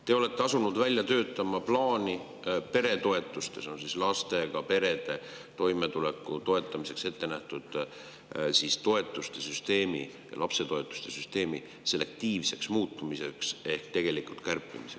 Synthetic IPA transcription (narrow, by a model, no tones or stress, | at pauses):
t̪e̞o̞le̞t̪ːeɑsunud̪vælʲjɑt̪ø̞ːt̪ːˑɑmɑplɑːni | pe̞ɾe̞t̪o̞e̞t̪ːˑust̪e̞so̞nsislɑst̪e̞ɡ̥ɑpe̞ɾe̞d̪̥e̞ | t̪o̞jme̞t̪ule̞kːˑut̪o̞e̞t̪ˑːɑmise̞kse̞t̪ːe̞næht̪ud̪̥ | sist̪o̞e̞t̪ːˑust̪e̞syst̪e̞ːmḭ | jɑ̰lʔɑpse̞t̪o̞e̞t̪ːˑu̥st̪e̞syst̪e̞ːmi | se̞le̞k̚t̪iːvse̞ksmuːt̪ˑːumise̞kse̞hk̚t̪e̞ɡ̥e̞likult̪̚kærpːˑḭmise